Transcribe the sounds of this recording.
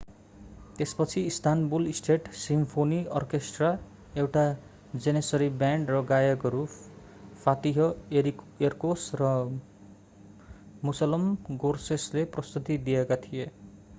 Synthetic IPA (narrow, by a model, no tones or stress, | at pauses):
t̪espʌt͡sʰiːst̪ʰanbulisʈʰeʈsimpʰoniʌrkesʈra | ewʈa | d͡zenesʌɾibjaɳɖrʌɡajʌɡʌɾu | fʰat̪iɦʌeɾi | erkosrʌ | musʌlʌmɡorsesleprʌst̪ut̪id̪ijekat̪ʰije